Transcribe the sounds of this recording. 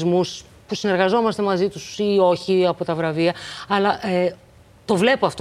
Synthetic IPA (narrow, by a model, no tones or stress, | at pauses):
zmus | pusine̞ɾɣɐzo̞mɐst̪e̞mɐzit̪usio̞çiɐpo̞t̪ɐvɾɐviɐɐlɐʔe | t̪o̞vle̞poɐft̪o